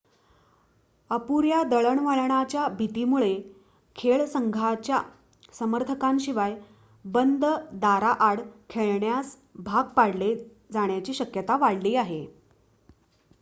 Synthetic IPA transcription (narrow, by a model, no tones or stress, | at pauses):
əpuɾjad̪əɭəɳʋəɭɳat͡ɕjabʱit̪iːmuɭe | kʰeɭsəŋɡʱat͡ɕja | səməɾt̪ʰəkanɕiʋaj | bənd̪əd̪aɾaʔaɽkʰeɭɳjas | bʱaɡ̚paɽle | d͡zaɳ̃jat͡ɕiːɕəkjət̪aʋaɽliːaɦe